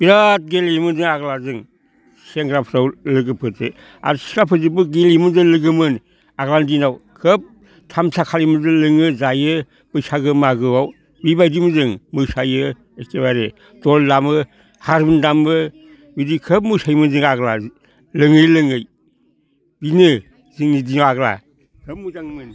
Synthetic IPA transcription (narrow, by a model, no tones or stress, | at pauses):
b̥iɾat̚ɡelimɯnzɯŋaɡlazɯŋ | seŋɡɾapʰɾawlɯɡɯpʰɯte | a̰ɾsi̥kapʰɯzɯbɯɡelimɯnzɯŋlɯɡɯmɯn | aɡlandinawkʰəp̚ | tʰamtʰakʰalimɯnzɯŋlɯŋɯzajɯ | b̥ɯsaɡɯmaɡɯwaw | bibajdimuzɯŋmɯsajɯ | estebaɾe | doldamɯ | haɾbɯndamɯ | bidikʰəp̬̚mɯsajmɯnziŋaɡla | lɯŋɯjlɯŋɯj | binɯ | ziŋnidinawaɡla̰ | kʰəp̚muzaŋmɯn